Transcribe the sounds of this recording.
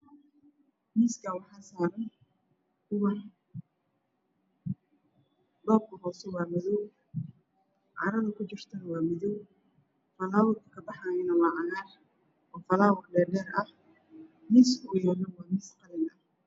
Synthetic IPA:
miːskʰɐwɑħɑːsaːɾɐn | kʰʊwɐ | dɔːb̚kʰɐhɔːsɔwɑːmɐðɔw | ʕɑ̰ːɾɐðɐkʰʊt͡ʃɪrt̪ʰɐnɐwɑːmɪðɔw | fɐlaːwʊdkʰɐbɑħaːjɐnɐwɑːʕɑjaːr | ʔɔːfɐlaːwʊrɖɛːɖɛːrɐh | miːsʊjɛːlɐwaːmiːsqɑðɛnɐ

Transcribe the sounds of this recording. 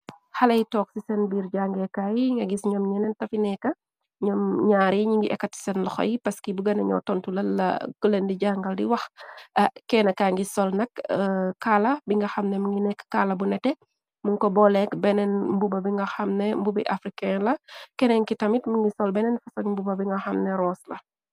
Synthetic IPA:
xɐlɐjtɔːk̚sisɛnbiːɾɟaŋɡɛkajŋɡɐɡisɲɔːmɲɛnɛntɐfinɛkːɐ | ɲɔmɲaːɾiɲiŋɡiʔɛkːɐtsi̥sɛnlɐxɔ̰jpɐskibuɡɐnɐɲɔ̰tɔntulɐlɐ̰kəlɛndiɟaŋɡɐldiwɐxɐkɛːnɐkaːŋɡisɔlnɐkkaːlɐbiŋɡɐxɐmnɛmuŋɡinɛkːkalɐbunɛtɛ | muŋkɔbɔlɛkbɛnɛnmbubɐbiŋɡɐxɐmnɛmbubḭʔafɾikɛnlɐkɛnɛŋkitɐmitmuŋɡisɔlbɛnɛnfɐsɐŋmbubɐbiŋɡɐxɐmnɛɾɔːslɐ

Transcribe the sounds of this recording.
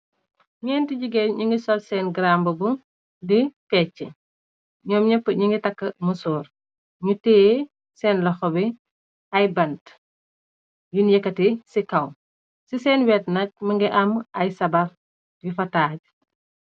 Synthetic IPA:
ɲɛːntiɟiɡɛɲiŋɡisɔlsɛːnɡɾaːmbɐbu | difɛːt͡ʃːɛ | ɲɔːmɲɐpːɲiŋɡitɐkːɐmusɔːr | ɲutɛː | sɛːnlɔxɔbi | ɐjbɐnt | junjɛkːɐtisikɐw | sisɛːnwɛːtnɐc̚mɐŋɡɛʔɐmɐjsɐbɐr | jufɐtaːɟ

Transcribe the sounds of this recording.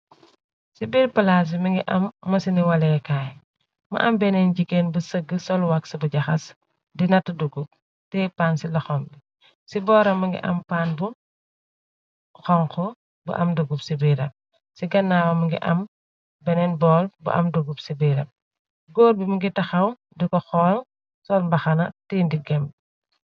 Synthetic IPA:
sibiːɾpɐlas̬imɐŋɡiʔɐmːɐsiniwɐlɛkaːj | mɐ̰ʔɐmbɛnɛnɟikːenbusəɡəsɔlwɐksɐbuɟɐxɐs | dinɐtːɐduɡup̚ | tɛpaːnsilɐxɔmbi | sibɔːɾɐmːɐŋɡḭʔɐ̰mpaːnbu | xɔŋkɔ | bṵʔɐmduɡupsibiːɾɐp̚ | siɡɐnːaːwɐmɐŋɡḭʔɐ̰m | bɛnɛnbɔːlbṵʔɐ̰mduɡupsibiɾɐ̰p̚ | ɡɔːɾbimuŋɡitɐxɐw | dikɔxɔːl | sɔlmbɐxɐnɐtɛːndiɡɛmb

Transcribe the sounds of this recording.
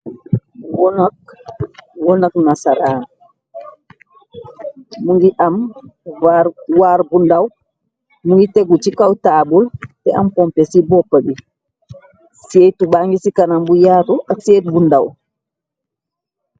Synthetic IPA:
wɔnak̚ | wɔnaknasaɾaːn | muŋɡiʔam | awaɾɡundaw | muŋɡitɛɡut͡ʃikawtaːbultɛʔampɔmpɛsibɔpːabi | seːtubaŋɡisikanambujaːtuʔaseːt̚ɡundaw

